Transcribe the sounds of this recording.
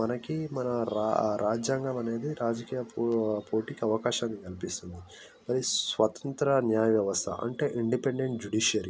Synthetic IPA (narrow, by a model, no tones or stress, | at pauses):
mɐnɐkimɐnɐɾaɾaːd͡ʒjaːŋɡaːmɐne̞ːd̪iɾaːd͡ʒɐkiːjɐppoːʈiːkiɐʋɐkaːʃaːnːikɐlipist̪und̪i | mɐɾisʋɐt̪ɐ̥nt̪ɾɐnjaːjɐʋjɐʋɐst̪ʰɐ̰ʔɐ̰ɳʈe̞ːʔiɳɖipeɳɖe̞ɳʈ̚d͡ʒuɽiːʃɐɾi